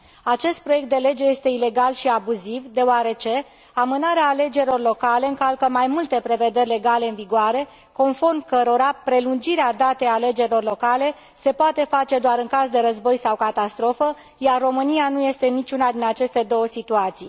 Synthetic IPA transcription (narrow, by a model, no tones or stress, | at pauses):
at͡ʃe̞st̪̚pɾo̞je̞kt̪d̪e̞le̞d͡ʒe̞je̞st̪e̞ile̞ɡalʃiabuzivd̪e̞oaɾe̞t͡ʃe̞ | amɨnaɾeaːle̞d͡ʒe̞ɾʲilo̞rlo̞kale̞ɨŋkalkəmajmult̪e̞pɾe̞ve̞d̪e̞rʲle̞ɡale̞ɨnviɡoaɾe̞ | ko̞nfo̞rmkəɾo̞ɾapɾe̞lund͡ʒiɾead̪at̪e̞jale̞d͡ʒe̞ɾilo̞rlo̞kale̞ | se̞poat̪e̞fat͡ʃe̞d̪oaɾɨŋkazd̪e̞ɾəzbo̞jsawkat̪ast̪ɾo̞fə | jarːo̞mɨnijanuje̞st̪e̞nit͡ʃʲunad̪inat͡ʃe̞st̪e̞d̪o̞wəsit̪uat̪sij